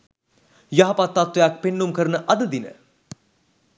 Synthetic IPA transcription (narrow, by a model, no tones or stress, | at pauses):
jaɦɐpat̪ːat̪ʋejak̚penːumkəɾənəʔad̪əd̪inə̰